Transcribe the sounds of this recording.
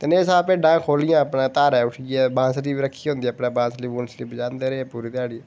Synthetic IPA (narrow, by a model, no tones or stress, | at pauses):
t̪eneːsaːpeːɖãːkʰoːlɪjãːəpɳaːt̪aːɾɛːʊʈʰiɡɛbãːsliːʋiːɾəkʰːijɦõːnd̪iəpɽeːbãːsliːbuːnsliːbəd͡ʒãːnd̪eːɾeɛpuːɾiːt̪jaːɽi